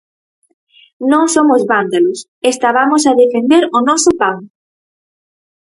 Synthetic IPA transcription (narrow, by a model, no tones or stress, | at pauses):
nõŋsomʊzβand̪alʊs | est̪aβamʊsaðefend̪eɾʊnɔsʊpaŋ